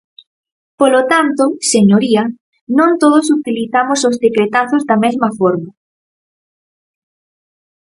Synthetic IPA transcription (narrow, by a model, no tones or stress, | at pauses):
polot̪ant̪oseɲoɾiɐ | nõnt̪oð̞osut̪iliθamosozðekɾet̪aθozd̪ɐmezmɐfoɾma